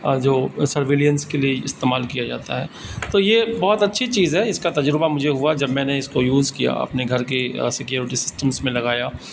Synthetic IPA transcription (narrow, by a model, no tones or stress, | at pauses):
d͡ʒoːsɐɾʋeːlijənskelieɪst̪eːmaːlkijad͡ʒaːt̪aɦɛːt̪oːjebɔːt̪ɐtːʃʰit͡ʃiːzɦɛɪskat̪ɐd͡ʒɾbamʊd͡ʒʱeɦuad͡ʒɐbmɛ̃ːneɪskojuːzkija̰ɐ̰pneɡʱɐɾk̬esɪkjuːɾɪʈisɪ̥sʈəmsmẽlɐɡaːjaː